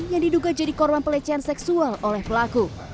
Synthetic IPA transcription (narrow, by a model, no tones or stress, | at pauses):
njaŋdiduɡad͡ʒadikɔrbanpəlɛt͡ʃɛansɛksualʔolɛhpəlaku